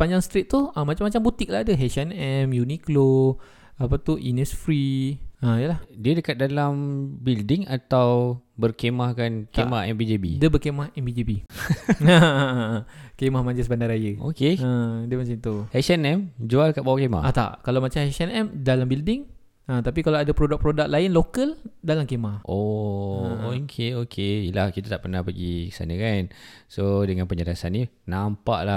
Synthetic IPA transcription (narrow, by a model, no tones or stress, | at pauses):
paɲd͡ʒaŋst̪ɾɪt̪̚t̪ːuhəmat͡ʃamːat͡ʃambut̪ik̚ladəɦɛsianɛmjuniklo | apat̪uinɛsfɾiəijəlahdiədəkat̪̚dalambildɪŋa̰t̪awbərkemahkankemahɛ̰mbid͡ʒebḭdəbərkemahɛmbid͡ʒebi | ə | kemahmãɲd͡ʒəsbandaɾajəokeə̃dəmas̬at̪uhɛsənɛmd͡ʒualkabawakema̰hʔat̪a̰ʔkalamat͡ʃamhɛʔsənɛmdalambildɪŋ | ə̃t̪apikalaadapɾodak̚pɾodak̚laɪnlokəldalamkemahʔo | ookʰeokʰeilahkit̪at̪aʔpərnahpəɡikə̥sa̰nəkansodəŋanpəɲəɾasanːinampa̰ʔla